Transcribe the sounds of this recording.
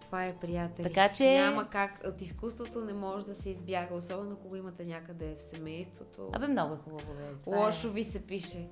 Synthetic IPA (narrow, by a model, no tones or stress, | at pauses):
t̪ovaɛpɾijat̪ɛlt̪ɐkat͡ʃɛamɐkakot̪iskust̪vot̪onɛmɔʒɛd̪ɐsɛizbjaɡəosɔbɛnokoɡɔimɐt̪ɛnʲakəd̪ɛfsɛmɛjst̪vot̪ʰo̰a̰bɛmnɔɡʊɛxubɐvovɛlˠɔʃovisɛpiʃɛ